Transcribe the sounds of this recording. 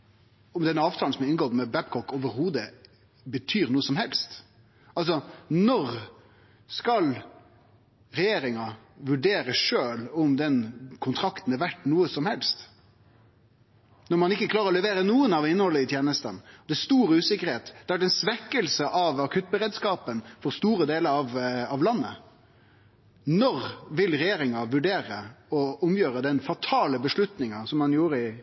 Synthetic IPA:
ɔmd̪ɛnːəɑːʋt̪ʰɑːsɔmɪnɡod̪mɛbæpkʰɔkɔːʋəɾhuːd̪ə | bət̪ʰyːɾnuːəsɔmhɛlst̪ | ɑls̬ɔnɔɾ | skɑl | ɾɛjeːɾɪŋɑ | ʋʉɖeːɾəʂøːlɔmd̪ɛnkʰʊnt̪ʰɾɑkt̪n̩æɾʋæʈːnuːəsɔmhɛlst̪ | nɔɾmɑnɪkːəkʰlɑːɾəɾɔlɛʋeːɾənuːənɑʋɪnːəhɔlːəɪt̪ʰjeːnəst̪ə̰nɔd̪ɛæst̪uːɾʉːsɪkəɾheːt̪d̪̥ɛæɖɛnsʋɛkːəlsəʔɑʋɑkʰʉt̪̚bəɾeːd̪skɑːpənfɔɾst̪uːɾəd̪eːləɾɑʋɑʋlɑnːə̰ | nɔɾʋɪlɾɛjeːɾɪŋɑʋʉɖeːɾəɔʊmjøːɾəd̪ɛnfɑt̪ʰɑːləbəʂlʉt̪nɪŋɑsɔmhɑnjuːɾəɪ

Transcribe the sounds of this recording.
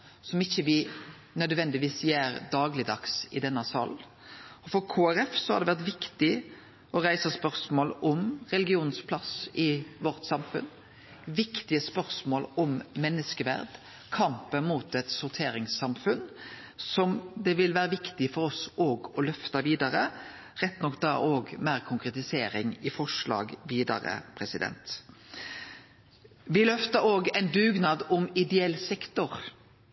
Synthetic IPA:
sɔmɪçːəʋɪ | nœd̪ʋɛnd̪ɪʋiːsjæːɾd̪ɑːɡlɪd̪ɑksɪd̪ɛnːɑsɑ̰ːl | ɔfɔɾkʰoːæɾɛfsɔhɑɾd̪ɛʋæʁt̪ʋɪkt̪ɪ | ʔɔɾæɪsəspœʁsmoːlɔmʁɛlɡɪuːnspʰlɑsɪʋɔʁt̪sɑmfʉ̰n | ʋɪkt̪ɪəspœʁsmoːlɔmːɛnːəskəʋæ̰ɾd̪ | kʰɑmpənmuːt̪ɛt̪sʊʁt̪ʰeːɾɪŋsɑmfʉn | sɔmd̪ɛʋɪlʋæːʁəʋɪkt̪ɪfɔɾɔsʔoːɡɔlœft̪ɑʋiːd̪ɑɾə | ʁɛt̪ːnɔkːd̪ɑ̰ːʔoːɡmæːʁkʰʊŋkʁɛt̪ɪseːɾɪŋɪfɔʂɭɑ̰ːɡʋiːd̪ɑ̰ɾə̰pʰʁɛsɪd̪ɛ̰nt̪ | ʋɪlœft̪əɾoːɡɛɪnd̪ʉːɡnɑːd̪ɔmɪd̪ɛɛlsɛkt̪ʊʁ

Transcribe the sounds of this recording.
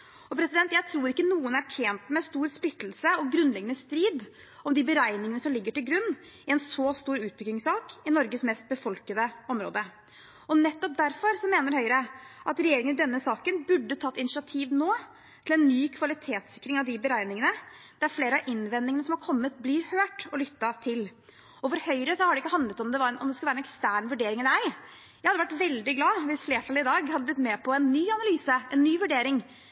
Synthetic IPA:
ɔpʰɾɛsɪd̪ɛnt̪jæɪt̪ʰɾuːɾɪkːənuːənæʈʰjeːnt̪mɛst̪uːɾsplɪt̪ːl̩səɔɡɾʉnd̪lɛɡːənəst̪ɾiːd̪ | ɔmd̪ɪbəɾæɪnɪŋənəsɔmlɪɡːəʈɪlɡɾʉnː | ɪɛnsɔst̪uːɾʉːt̪̚bʏkːɪŋsɑːkɪnɔɾɡəsmɛst̪̚bəfɔlkəd̪əɔmɾo̰ːd̪ə | ɔnɛt̪ːɔp̚d̪æɾfɔɾsɔmeːnəɾhœʏɾəʔɑt̪ɾɛjeːɾɪŋənd̪ɛnːəsɑːkənbʉɖːət̪ʰɑːt̪ːɪnɪʂɪɑt̪ʰiːʋnoː | t̪ʰɪlɛnːyːkʰʋɑlɪt̪ʰeːt̪sɪkːɾɪŋɑʋd̪ɪbəɾæɪnɪŋənəd̪̥ɛæɾfleːɾəɑʔɪnʋɛnːɪŋənəsɔmɑɾkʰɔmːət̪̚blɪɾhøːʈɔlʏt̪ːɑt̪ʰɪl | ɔfɔɾhœʏɾəsɔhɑɖɛɪkːəhɑnd̪lət̪ɔmd̪ɛʋɑɾnɔmd̪ɛskʉlæːɾɛnɛkst̪æːɳʋʉɖeːɾɪŋæɪ | jæhɑd̪ːʋæʈːʋɛld̪ɪɡlɑːʋɪsfleːʈʰɑlːɪd̪ɑːɡhɑd̪ːəb̪ɪt̪mɛːpʰɔɛnːyːɑnɑlyːsəʔɛnːyːʋʉɖeːɾɪŋ

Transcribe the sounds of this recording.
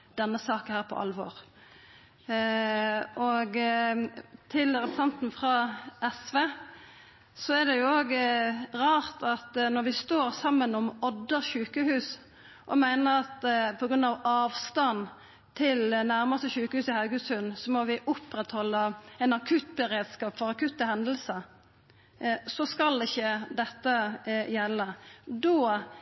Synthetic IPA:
d̪̥ɛnːəsɑːkəhæːʁpʰɔ̰ʔɑ̰lʋɔʁ | ʔɔɡ | t̪ʰɪlɾɛpə̥sɛnt̪nfʁɑʔɛsʋeː | sɔæd̪ɛjʊoːɡʁɑːʁt̪ʰɑt̪nɔɾʋɪst̪oːʁsɑmːənɔmɔd̪ːəʁʃʉːkəhʉːs | ʔɔmæɪnəʁɑt̪pʰɔɡɾʉnd̪ɑʋɑːʋst̪ɑn | t̪ʰɪlnæɾməst̪əçʉːkəhʉːsɪhɑʉɡəsʉnsɔmɔʋɪʔʊpɾɛt̪hɔlːəɛɪnɑkʰʉt̪bɛɾeːd̪skɑːpfɔʁɑkʉt̪ːəhɛnd̪əl̩səɾ | sɔskɑlɪçːəd̪ɛt̪ːəjɛlːəd̪oː

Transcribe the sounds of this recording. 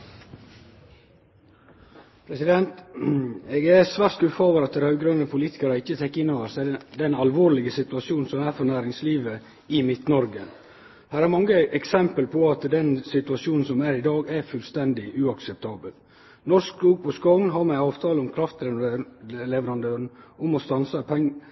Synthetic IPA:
pʰɾɛsɪd̪ɛnt̪ | ɛɡæsʋæɾt̪̚ɡʉfɑːʋəɾɑt̪̚d̪æhœʉɡɾɑnəpʰʊliːt̪ɪ̥kɑɾəɪçːət̪ʰɛkːɪnːoːʋəɾsæɪd̪ɛnɑlʋoːɾlɪɡəsɪt̪ʉɑʃuːnn̩sɔmæːɾfɔɾnæːɾɪŋsliːʋə | ɪmɪt̪nɔɾɡə | hæːɾæɾmɑŋːəʔɛksɛmpəlpʰɔɑt̪d̪ɛnsɪt̪ʉɑsuːnn̩sɔmæɾɪd̪ɑːɡæɾfʉlst̪ɛnd̪ɪʔʉːɑksɛp̚t̪ʰɑːbəl | nɔsk̚uːɡ̚pʰɔskɔnɦɑɾmɛɑːʋt̪ʰɑːləʊmkʰɾɑft̪lɛ | lɛʋəɾɑnd̪øːɾn̩ʊmɔst̪ɑnsəpʰɛŋː

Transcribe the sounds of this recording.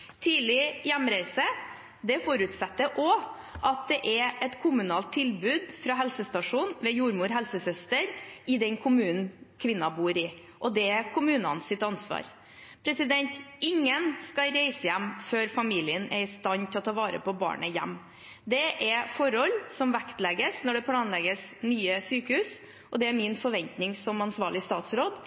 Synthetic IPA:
t̪ʰiːlɪjæmɾæɪsə | d̪ɛfɔɾʉt̪sɛt̪ːəʔɔ | ʔɑt̪̚d̪ɛʔɛɛt̪kʰʊmʉnɑːlt̪ʰːɪlbʉːd̪fɾɑɦɛlsəst̪ɑʂuːnʋɛjuːɾmuːɾɦɛlsəsœst̪əɾɪd̪ɛnkʰʊmʉːnn̩kʰʋɪnːɑbuːɾɪ | ʔɔd̪ɛkʰʊmʉːnɑ̰nsɪt̪ɑnsʋɑ̰ːɾ | pʰɾɛsɪd̪ɛnt̪ɪŋːənskɑɾɛɪsəjɛmːføːɾfɑmiːlɪənæ̰ɾɪst̪ɑnt̪ʰɪlɔt̪ʰɑːʋɑːɾə̰pɔbɑ̰ːɳəjɛ̰mː | d̪ɛʔɛfɔɾɔlːsɔmʋækt̪lɛɡəsnɔɖɛpʰlɑːnlɛɡəsnyːəsyːkəhʉːs | ʔɔd̪ɛæɾmɪnfɔɾʋɛnt̪nɪŋsɔmɑnsʋɑːɭɪst̪ɑːt̪sɾoːd̪

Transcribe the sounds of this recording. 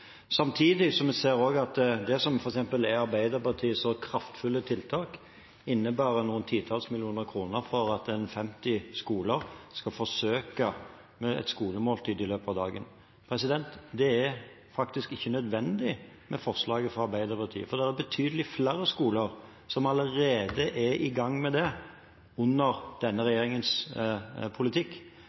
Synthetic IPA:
sɑmt̪ʰiːd̪ɪsɔmɛseːɾoːɡɑt̪d̪ɛsɔmfɔɾɛksɛmpəlɛɑɾbæɪd̪əɾpɑʁt̪ʰiːəsɔkʰɾɑft̪fʉlːət̪ʰɪlt̪ʰɑːk | ɪnːəbæːɾənuːənt̪ʰiːt̪ʰɑːlsmɪlɪuːnəɾkʰɾuːnəɾfɔɾɑt̪ɛnfɛmt̪ɪskuːləɾskɑfɔsøːkə | mɛɛ̰t̪skuːləmoːlt̪ʰiːd̪ɪløːpəɑːʋd̪ɑːɡə̰n | pʰɾɛsɪd̪ɛnt̪d̪ɛæɾ | fɑkt̪ɪskɪçːənœd̪ʋɛnd̪ɪ | mɛfɔʁslɑːɡəfʁɑɑɾbæɪd̪əɾpʰɑt̪ʰḭːə̰fɔɾd̪ɛɾæɾbət̪ʰyːd̪əlɪflæɾəskuːləɾ | sɔmɑləɾeːd̪əʔɛʔɪɡɑŋːmɛd̪ɛ | ʊnːəɾd̪̥ɛnːəɾɛjeːɾɪŋəns | pʰʊlɪt̪ʰɪkː

